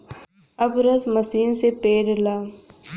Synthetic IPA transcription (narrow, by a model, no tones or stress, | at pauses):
ɐbɾɐsmɐsiːnsepeːɾlaː